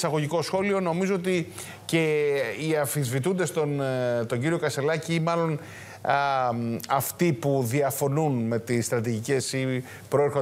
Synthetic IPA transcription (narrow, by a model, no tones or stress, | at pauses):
sɐɣo̞ʝiko̞sxo̞lio̞no̞mizoot̪i | ce̞iɐfizvit̪und̪e̞st̪ont̪o̞ɲɟiɾio̞kɐse̞lɐciimɐlo̞n | ɐft̪ipuðiɐfo̞nunme̞t̪isːt̪ɾɐt̪̬iʝice̞si | pɾo̞eɾxo